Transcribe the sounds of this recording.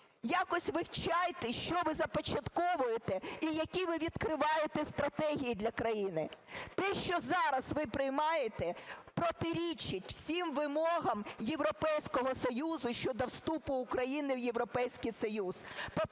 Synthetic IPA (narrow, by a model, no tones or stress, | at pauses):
jɑkɔsʲʋɪwt͡ʃɑjt̪ɛʃt͡ʃɔʋɪzɐpɔt͡ʃɐt̪kɔʋʊjet̪ɛijɐkʲiʋɪʋʲid̪̥kɾɪʋɑjet̪ɛst̪ɾɐt̪ɛɦʲijid̪ʲlʲɐkɾɐjinɪt̪ɛʃt͡ʃɔzɑɾɐzʋɪpɾɪjmɑjet̪ɛpɾɔt̪ɪɾʲit͡ʃɪtʲw̥sʲimʋɪmɔɦɐmje̞ʋɾɔpɛjsʲkɔɦɔsɔjuzʊʃʲt͡ʃɔd̪ɔwst̪upʊːkɾɐjinɪwjeʋɾɔpɛjsʲkijsɔjuzpɔ